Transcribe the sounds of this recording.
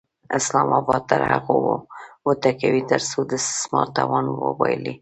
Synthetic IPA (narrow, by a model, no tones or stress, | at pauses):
ɪslɑmɑbɑd̪̚t̪əɾhaɣowwət̪akawit̪əɾsod̪əssmɑɾt̪awɑnwə̰wɑjli